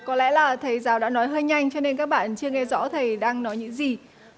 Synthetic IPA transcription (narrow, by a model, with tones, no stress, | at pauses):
kɔ˨˦lɛ̰˧˥laː˨˩t̪ʰə˨˩jzaː˨˦wɗa̰ː˧˥nɔ˨˦jɦəː˧jɲa˧jŋ̟t͡ɕɔ˧ne˧nkaː˦˥k̚ɓa̰ː˧˨nt͡ɕɨ˧əŋɛ˧zɔ̰˧˥t̪ʰə˨˩jɗaː˧ŋnɔ˨˦jɲɨ̰˧˥ŋzi˨˩